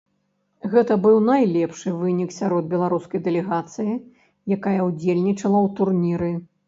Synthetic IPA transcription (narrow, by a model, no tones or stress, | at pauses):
ɣɛt̪ɐbɨwnajlʲɛpʂɨvɨnʲiksʲaɾɔd̪̚bʲɛlˠaɾuskɐjd̪ɛlʲɛɣat̪sɨji | jakajɐwd͡zʲelʲnʲit͡ʂɐlˠɐwt̪urnʲiɾɨ